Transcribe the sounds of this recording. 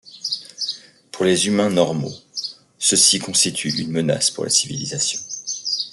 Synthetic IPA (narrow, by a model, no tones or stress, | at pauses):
puʁlezymɛ̃nɔʁmo̰ | səsikɔ̃st̪it̪ʰyʔynməna̰spuʁlʔa̰sivilizasjɔ̃